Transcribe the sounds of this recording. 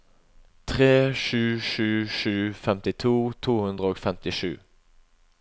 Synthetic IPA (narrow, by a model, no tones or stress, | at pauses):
t̪ʰʁeːʃʉːʂʉːʃʉːfɛmt̪ɪt̪ʰuːt̪ʰuːhʉnd̪ʁəoːɡfɛmt̪ɪʂʉ̰ː